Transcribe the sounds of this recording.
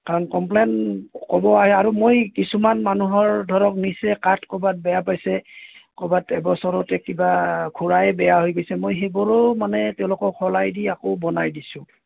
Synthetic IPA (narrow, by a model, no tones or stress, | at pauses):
kaɹɔnkɔmplenkɔbɔaɦɛaɹumojkisumanmanuɦɔɹdʱɔɹɔk̚nisɛkatʰkɔbat̚bɛjapajsɛkɔbatɛbɔsɔɹɔtɛkibakʰuɹajbɛjaɦojɡojsɛmojɦebɔɹɔmanɛtɛʊ̃lʊkɔkʰɔlajdiakobɔnajdisʊ̃